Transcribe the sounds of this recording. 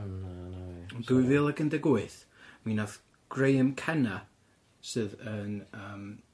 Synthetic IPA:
ɔnduɨvɨːlˠəɡəndɛɡuɨθ | minað | ɡ̥rejəmkʰɛna | sɨðənəːm

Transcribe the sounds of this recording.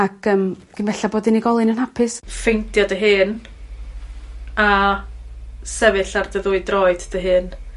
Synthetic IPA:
aɡəːm | ɡ̥ənvɛɬaboːdiniɡɔlˠɨnənhapʰɪsfejntʰjɔdəɦɨːn | a | sɛvɨɬardəðuɨdrɔɨddəɦɨːn

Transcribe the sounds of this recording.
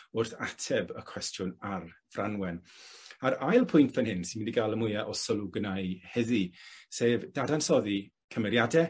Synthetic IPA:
ʊrθatʰɛbəkʰw̥ɛstʰjʊnarv̥rʔanwɛnaɾajlˠpʰʊjntpʰɛnhɪnsɪnmindiɡalˠəmʊjaʔɔsɔluɡnajhɛðiseːvd̥adansɔði | kʰəmɛɾjadɛ

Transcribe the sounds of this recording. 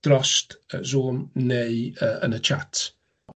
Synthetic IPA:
d̥ɾɔstəzuːmnejəə̰̃nət͡ʃʰa̰t

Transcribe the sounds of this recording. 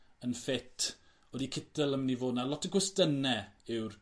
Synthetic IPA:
ənfɪtʰ | odikʰɪtəlˠəmnivoːdnalˠɔtʰəɡwɛstənɛɪwr

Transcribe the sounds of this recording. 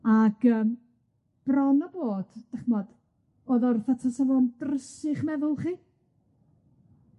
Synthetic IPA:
aɡ̥əːm | b̥rɔnɔboːd̥d̥ɛχmɔd̥ | oːðɔrθatʰasəvɔndrəsɪχmɛðʊlˠχiː

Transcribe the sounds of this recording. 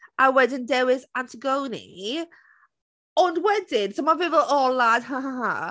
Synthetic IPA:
awɛdɪ̃ndɛwɪzãntʰəɡownḭ | ənwɛdɪnsomavɪvəlɔlad̥haɦaa

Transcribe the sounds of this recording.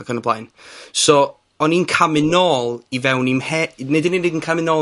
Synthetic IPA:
akʰənəblˠaːjnsɔ | ɔninkʰamɪnɔːlˠivɛwnimhɛnednenedənkʰamɪnɔ

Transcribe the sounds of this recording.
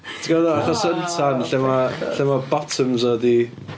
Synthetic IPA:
tʰəɡaðɔaχɔsəntʰanɬɛmaɬɛmabɔtʰəmzɔdi

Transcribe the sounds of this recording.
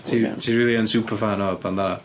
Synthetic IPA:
tʰitʰiːɹɪːlˠiənsuːpʰəfanɔb̥anða

